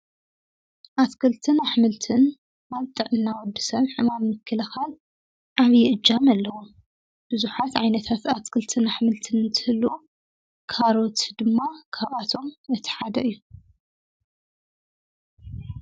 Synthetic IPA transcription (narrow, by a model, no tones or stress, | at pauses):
ʔaskʰɐlt̪ʰɨnaħmɨlt̪ʰɨn | aβt̪ʼɨʕɨnːawɔd̪ːɨ̥sɐnħɨmammɨkʰːɨlɐxal | ʔaβjɪʔɨd͡ʒːamɐlːɐwum | b̥ɨzuħat̪ʕajnɐt̪ʰat̪askʰɐlt̪ʰɨnaħmɨlt̪ʰɨnɨnt̪ʰɨhɨlːu | kʰaɾo̞t̪d̪ɨmːakʰaβat̪ʰo̞mɨt̪ʰi̥ħad̪ɐʔɨjːu